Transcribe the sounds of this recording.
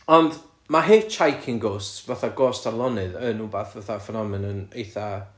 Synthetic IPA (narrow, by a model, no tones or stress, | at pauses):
ɔnd | maɦeːt͡ʃʰajkʰɪŋɡoːstsvaθaɡɔːstʰarlˠɔnɨðənubaθvaθafənɔmɨnənejθa